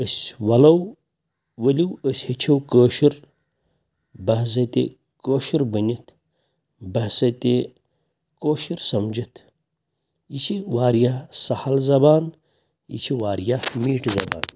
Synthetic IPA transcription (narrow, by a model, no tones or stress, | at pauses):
əsʲwɐlɐw | ʋəlʲiwəsʲhit͡ʃʰɐwkəːʃiɾ | bɐɦs̬ɐt̪ḛ | koːʃiɾbənʲit̪ʰ | bɐɦsɐt̪e | koːʃiɾsɐmd͡ʒit̪ʰ | it͡ʃʰiʋaːɾjasɐhɐlzɐbaːn | ḭt͡ʃʰiʋaːɾjamiːʈzɐba̰ːn